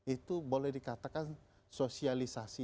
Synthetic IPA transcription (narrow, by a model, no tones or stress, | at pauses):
it̪ubolɛhdikat̪akan | sosialisasi